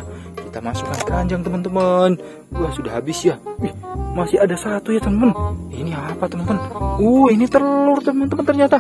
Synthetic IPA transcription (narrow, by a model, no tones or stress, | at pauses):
kit̪amasukankaɲd͡ʒaŋt̪əmənt̪əmən | wahsudahabɪsjaɛhmasiadasat̪ujat̪əməniniapat̪əmənt̪əmənuinit̪əlʊrt̪əmənt̪əmənt̪ərɲat̪a